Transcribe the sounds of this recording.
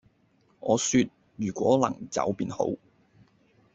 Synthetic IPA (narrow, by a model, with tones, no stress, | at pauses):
ʔɔː˨˧syː˧t̚ | jyː˨˩kʷɔː˨˥lɐ˨˩ŋt͡sɐ̰˨˥wpiː˨˧nho̰˨˥w